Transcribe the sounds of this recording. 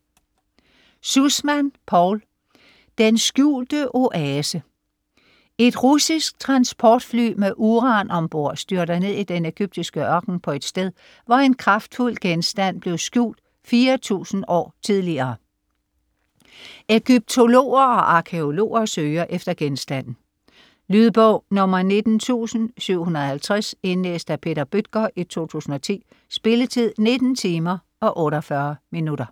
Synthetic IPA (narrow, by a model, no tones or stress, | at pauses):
susmænpʰɒʊ̰l | d̥ensɡ̥jṵːld̥əʔo̝ʔɛːsə | e̝d̥ʁusisɡ̥̚t͡sʰʁɑ̈nsb̥ʰɒːd̥fly̰ːmeʔuʁɑ̈nɒ̽mb̥o̝ɐ̰sd̥yɐɾɐne̝ð̞̰ˠid̥ene̝ɡ̥yb̥̚d̥isɡ̥əɶɐɡ̥n̩pʰɒ̽e̝d̥sd̥eð̞ˠ | ʋɑe̝nkʰʁɑ̈fd̥ful̰ɡ̥ensd̥æn̰b̥le̝ʊsɡ̥jṵːld̥ | fiːɐt͡sʰṵːsn̩ɒ̰ːt͡sʰið̞ˠliɐː | eɡ̥yb̥̚t͡sʰo̝lo̝̰ːɐɒ̽ʔɑ̈kʰe̝o̝lo̝̰ːɐsøːɐʔefd̥ɐɡ̥ensd̥æn̰n̩ | lyð̞ˠb̥ɔʊ̰nɔ̽mɐne̝d̥n̩t͡sʰṵːsn̩syʊ̰hunɐð̩ˠhælt͡sʰʁase̝nlḛːsd̥æpʰe̝̰ːɾɐb̥yd̥̚ɡ̥ɐʔit͡sʰo̝̰ːt͡sʰṵːsn̩ɒ̽t͡sʰḭː | sb̥e̝lət͡sʰið̰ˠne̝d̥n̩t͡sʰiːmɐ | ɒ̽ʔɔ̽ːɾɐfɶɐminuɾ̥ɐ